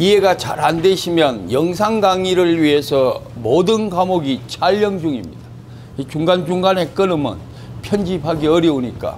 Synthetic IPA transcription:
iɦe̞ɡat͡ɕaɾandeɕʰimjʌnjʌŋs̬ʰaŋɡaŋiɾɯɭɥiɦe̞sʰʌmodɯnkamoɡit͡ɕʰaʎːʌŋd͡ʑuŋimɲida | it͡ɕuŋɡand͡ʑuŋɡane̞k͈ɯnɯmʌ̰n | pʰjʌnd͡ʑiphaɡiʌɾjʌuɲik͈a̰

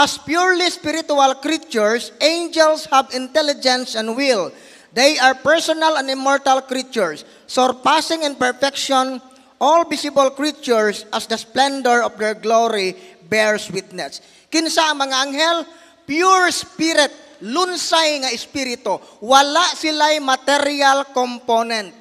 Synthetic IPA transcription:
ʔaspjuɹlispɪɾɪt̪ʊalkɾit͡ʃʊɹsʔẽjnd͡ʒɛlshabɪnt̪ɛlɪd͡ʒɛ̃nsɛ̃nd̪wɪl | d̪ɛjaɹpɛɹsɔnalɛ̃nd̪ɪmːɔɹt̪alkɾit͡ʃʊɹsː | ɔɹpasɪ̃ŋɪ̃npɛɹfɛkʃɔn | ʔɔlbisɪbalkɹit͡ʃʊɹsʔɐsd̪ɐsplɛnd̪ɛɹɔfd̪ɛɹɡloɾibɛɹswit̪̚nɛs | kɪnsaʔɐŋmɐŋaʔaŋɦɛl | pjuɹspiɾɪt̪̚ | lʊnsajŋɐɪspiɾɪt̪owalaʔsɪlajmɐt̪ɛɾialkɔmponɛ̃nt̪̚

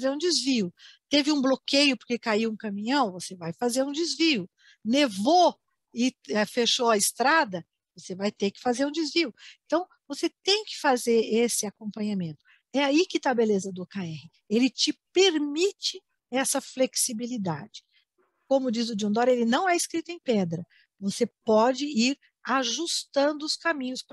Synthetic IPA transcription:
zeɾũd͡ʒizviʊt̪evɪũblokejʊpoɾkekaiwũkɐ̃mĩɲɐ̃w̃vosevajfazeɾũd͡ʒ̪ɪzviʊ | nevo | ɪɛfeʃoɐɪst̪ɾad̪ɐ | vosevajt̪ekɪ̥fazeɾũd͡ʒ̪ɪzviʊẽnt̪ɐ̃w̃ | voset̪ẽj̃kɪ̥fazeɾesɪakõmpɐ̃ɲamẽnt̪ʊ̥ | ɛaikɪt̪aːbelezɐd̪ʊkaɛhɪ | elɪt͡ʃɪpeɾmit͡ʃɪ | ɛsɐfleksibilid̪a̰d͡ʒɪ | kõmʊd͡ʒizʊd͡ʒiõnd̪ɔɾelɪnɐ̃w̃ɛɪskɾit̪ʊẽj̃pɛd̪ɾɐ | vosepɔd͡ʒɪiɾ | aʒust̪ɐ̃nd̪ʊʊskamĩɲʊsp

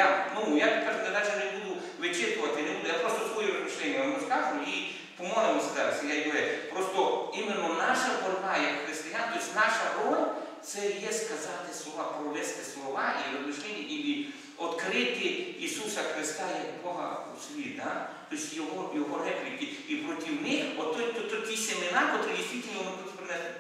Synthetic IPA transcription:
anujapʲkaʒʊk̪ɐd̪at͡ʃɛʒɛbud̪ʊ | ʋɪt͡ʃɪrk̪ʊʋɐt̪ɪinɛbud̪ʊjapɾɔst̪ɔsʋɔjuɾɐzmɪʃlʲɛnʲːɐnɐmɔsk̪azʊjʊi | pɔmɔlɪmɔsʲɐzaɾɐsijajʊɾɛpɾɔst̪ɔimenːɔnaʃɐbɔlʲbajakxɾɪst̪ɪjant̪ɔisʲt̪ʲnaʃɐɾɔlʲt̪sɛjɛskɐzɑt̪ɪslˠɔʋapɾɔlɛst̪ɪslˠɔʋɑʔiɔpɪskɪt̪ʲɪii | ɔt̪kɾɪt̪ɪisusɐxɾɪst̪ajɐkbɔɦɐ̰usʲʋʲid̪at̪ɔisʲjɔɦɔjɔɦɔrɛplʲɪkɪ | ipɾɔtʲiwnɪxɔt̪ɔt̪ːɔt̪ːɔkʲisʲemɪnapɔt̪ɾɪdʲist̪ʋitʲɪlʲnʲiɔnɪp̪ɔsʲpɾɪnɛsɪ

